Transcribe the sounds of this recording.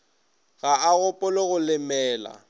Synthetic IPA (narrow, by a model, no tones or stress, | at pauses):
ɣaaɣʊpʼʊloɣʊlɪmɛːla̰